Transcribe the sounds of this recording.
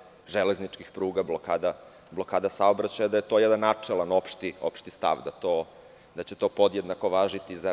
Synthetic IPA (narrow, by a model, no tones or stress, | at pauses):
ʒeleznit͡ʂkixpɾuːɡablokaːd̪a | blˠo̞kaːd̪asaobɾat͡ɕajad̪ajet̪o̞jɛd̪anːat͡ʂelˠanopʃt̪io̰pʃt̪ist̪a̰ʋd̪at̪oː | d̪at͡ɕet̪o̞ːpo̞d̪jed̪nako̞ʋaːʒit̪iza